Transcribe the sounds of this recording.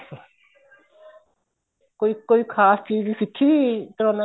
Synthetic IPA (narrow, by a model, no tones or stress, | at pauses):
s | koikoikʰaːst͡ʃiːzsikʰːit̪ɾona